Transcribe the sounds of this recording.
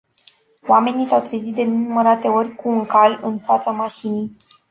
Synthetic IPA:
wame̞nisawt̪ɾezit̪̚d̪e̞ninuməɾat̪e̞o̞rʲkuːŋkalɨnfat̪samaʃinij

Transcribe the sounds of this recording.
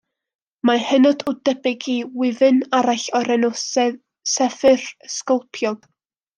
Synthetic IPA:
mahɛnɔdʊdɛbɪɡiwɪvɨnaɾaɬɔɾɛnɔsɛ | sɛfɨrəskɔlˠpʰjɔlˠ

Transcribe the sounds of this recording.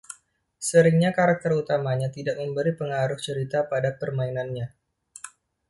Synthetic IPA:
səɾɪŋɲakaɾak̚t̪ərut̪amaɲat̪idak̚məmbəɾipəŋaɾʊht͡ʃəɾit̪apadapərmainanɲa

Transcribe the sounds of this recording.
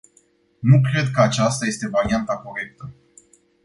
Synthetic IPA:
nukɾe̞d̪kəat͡ʃast̪aje̞st̪e̞vaɾiant̪ako̞ɾe̞k̚t̪ə

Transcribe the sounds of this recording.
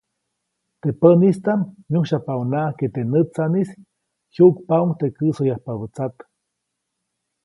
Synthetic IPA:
t̪epənist̪anmjuhʃapaunaʔket̪enɨt͡sanis | juʔkpauŋt̪ekɨsojahpaβət͡sat̪

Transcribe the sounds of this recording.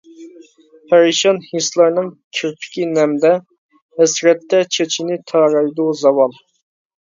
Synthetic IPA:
pʰæɾiʃɑnhislˠɑɾnɨŋkʲʰyɾpʰɪ̥kʲinɛmd̪ɛ | ɛsɾɛt̪ːɛt͡ʃʰet͡ʃʰinɪt̪ʰɑɾɑjd̪uzɑwɑlˠ

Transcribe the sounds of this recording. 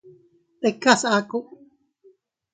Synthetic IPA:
t̪ekasakuʔ

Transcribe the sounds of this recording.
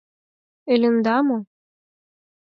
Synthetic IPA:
ɘ̆lʲɘ̆nd̪ɑmo

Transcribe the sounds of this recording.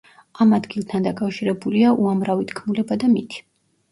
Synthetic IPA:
amad̪ɡilˠt̪ʰand̪akʼafʃiɾɛbuliaʔuamɾavit̪ʰkʰmulɛbad̪amit̪ʰi̥

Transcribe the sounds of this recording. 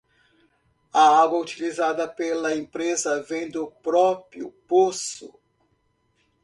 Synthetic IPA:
ɐaɡwɐut͡ʃilizad̪ɐpelɐẽpɾezɐvẽj̃d̪ʊpɾɔpɾiʊ̰posʊ̰

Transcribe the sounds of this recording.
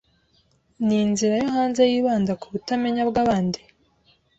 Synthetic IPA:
ninziɾajoɦaːnzejiːβaːndakuβutame̞ɲabɡaːβaːndi

